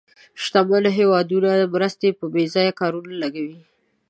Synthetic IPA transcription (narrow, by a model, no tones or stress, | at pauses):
ʃt̪aməlɦewɑd̪unad̪əmɾəst̪epəbezɑjakɑɾunalaɡawi